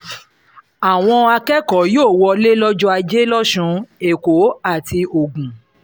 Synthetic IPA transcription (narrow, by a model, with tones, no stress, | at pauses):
a˨w̃ɔ̃˧a˧kɛ˦kɔ˨˦joː˦˨wɔ˧le˦lɔ˦d͡ʒɔ˦a˧d͡ʒe˦lɔ˦ʃũ˧e˨ko˨˦a˦˨ti˧o˨ɡũ˨